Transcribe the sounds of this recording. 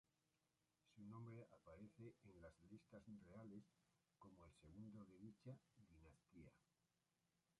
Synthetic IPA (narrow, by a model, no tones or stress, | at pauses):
sunõ̞mbɾe̞ʔapaɾe̞θe̞ʔenlazlist̪azrre̞ale̞s | ko̞moe̞lse̞ɣ̞und̪o̞ðe̞ðit͡ʃaðinast̪ia